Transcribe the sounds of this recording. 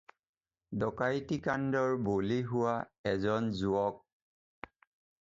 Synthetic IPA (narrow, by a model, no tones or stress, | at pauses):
dɔkajtikandɔɹboliɦʊwaɛzɔnzuɔk̚